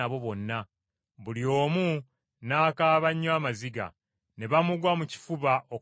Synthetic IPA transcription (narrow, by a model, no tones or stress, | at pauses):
aβo̞βo̞nːa | βulio̞ːmu | naːkaːβaɲːwaːmaziɡa̰ | ne̞βamuɡwamuci̥fuβaʔo